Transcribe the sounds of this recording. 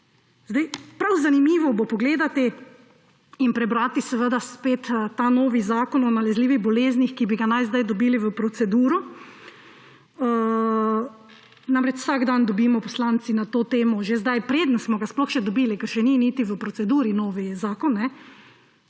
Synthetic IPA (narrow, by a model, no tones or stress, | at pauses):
zd̪ajpɾawzanimiːʋɔbopɔɡleːd̪at̪i | inpɾɛbɾaːt̪isɛʋəd̪aspeːt̪t̪anoːʋizaːkɔnɔnalɛzliːʋiɣbɔleːznixkibiɡanajzd̪ajd̪ɔbiːliʋəpɾɔt̪sɛd̪uːɾɔ | namɾɛt͡ʃw̥saɡd̪and̪ɔbiːmɔpɔslaːnt̪sinat̪oːt̪eːmɔʒezd̪ajpɾed̪nsmɔɡasplɔxʃɛd̪ɔbiːlikəɾʃɛniniːt̪iʋəpɾɔsɛd̪uːɾinoːʋizaːkɔnːɛ